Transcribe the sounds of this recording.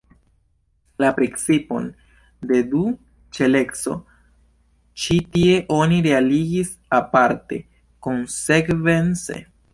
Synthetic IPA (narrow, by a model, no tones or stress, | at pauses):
lapɾekt͡sipo̞̰n | de̞du | t͡ʃe̞le̞kso̞̰ | t͡ʃitie̞ʔo̞niɾe̞aliɡis | apaɾte̞̰ | ko̞nse̞kve̞nt͡se̞̰